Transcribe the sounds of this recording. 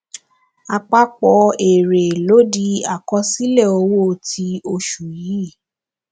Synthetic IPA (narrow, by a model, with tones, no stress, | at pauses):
a˧˨k͡pa˦k͡pɔ˧˦e˨ɾe˨lo˨˦di˧a˨kɔ˧˦si˦lɛ˦˨o˧˦wo˦˨tʰi˧˦o˧ʃu˨ji˨˦˨